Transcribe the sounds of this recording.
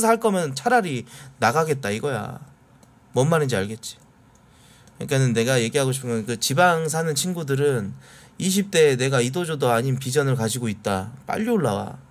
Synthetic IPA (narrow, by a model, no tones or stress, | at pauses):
saɭk͈ʌmjʌnɯnt͡ɕʰaɾaɾinaɡaɡe̞t̚t͈aiɡʌja̰ | mʌnmanɯnd͡ʑiaɭɡe̞t̚t͡ɕ͈i̥ | ak͈anɯnːe̞ɡaje̞ɡiɦaɡoɕʰipʰɯmjʌnkɯt͡ɕibaŋs̬ʰanɯnt͡ɕʰinɡudɯɾɯn | iɕ̬ʰip̚t͈e̞ne̞ɡaidod͡ʑodoaɲinpid͡ʑʌnɯɭkad͡ʑiɡoit̚t͈ap͈a̰ʎːioɭːawa̰